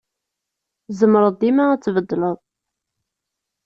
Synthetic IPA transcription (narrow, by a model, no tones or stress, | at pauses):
zəmɾˤəðˤimaæt͡sːvəd̪ːləðˤ